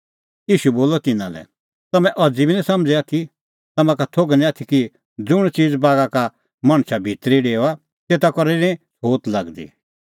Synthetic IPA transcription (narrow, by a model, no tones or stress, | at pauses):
jiːʃuboːlɔt̪ɪnã̰lɛ̰ | t̪ɐmɛ̃ʔɔd͡zibʱinĩsɐ̃md͡zɛaːt̪ʰi | t̪ɐmãkat̪ʰoɡnĩat̪ʰiki | d͡zʊɽ̃t͡ʃiːd͡zbaːɡaka | mɐ̃ɽ̃ʃabʱit̪ɾiɖeːa | t̪eːt̪akɔɾeɾĩsoːt̪lɐɡd̪ḭ